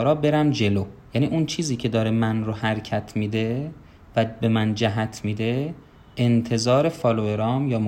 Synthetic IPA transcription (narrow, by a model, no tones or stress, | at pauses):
ɾɒːbe̞ɾæmd͡ʒe̞loːjæːniːʔunt͡ʃʰiːziːcʰe̞d̪ɒːɾemænɾohæɾcʰæt̪ʰmiːd̪e̞ | væbe̞mænd͡ʒæɦæt̪ʰmiːd̪e̞ | ent̪ʰe̞zɒːɾe̞fɒːloeɾɒːmjɒːm